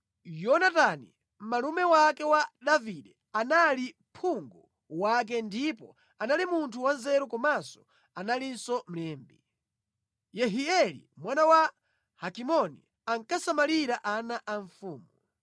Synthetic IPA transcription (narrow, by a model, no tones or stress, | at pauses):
jɔnatani | m̩malumɛwakɛwaɗaviɗɛ | anali | pʰuŋɡɔ | wak̬ɛndipɔ̰ | analimuntʰuwanzɛɾukɔmasɔ̥ | analinsɔm̩lɛːmbi | jɛɦiɛlḭmwanawa | hakimɔnḭ | aŋkasamaliɾaʔanaʔaɱfuːmu